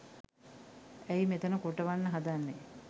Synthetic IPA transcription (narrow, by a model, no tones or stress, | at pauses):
æjimet̪ənəkoʈəʋanːəɦad̪anːe